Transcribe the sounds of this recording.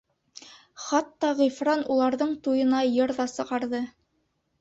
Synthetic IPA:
χɑt̪ːɑʁifɾɑnulˠɑɾðɤɴt̪ujɤ̆nɑjɤɾðɑsɤ̆ʁɑɾðɤ

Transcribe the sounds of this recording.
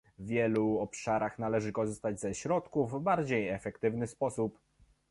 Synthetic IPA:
vʲjɛluɔpʂaɾaxnalɛʐɘkɔʐɘst̪ad͡ʑzɛɕɾɔt̪kuvbaɾd͡ʑejɛfɛkt̪ɘvnɘspɔsup

